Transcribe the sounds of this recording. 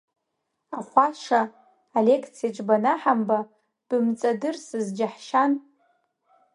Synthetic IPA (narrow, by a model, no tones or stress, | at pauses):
aχʷaʂaː | le̞kʰt͡sʰijat͡ʃʼbanaħamba | b̥ɨmt͡sʼadɨrsɨzd͡ʒaħʃan